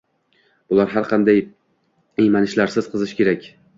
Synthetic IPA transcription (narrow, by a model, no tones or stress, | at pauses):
b̥ʊlˠaɾɦaɾqʰɑnd̪aj | ejmanɪʃlaɾsɪz̥qʰɨzɪʃkʲʰe̞ɾakʲ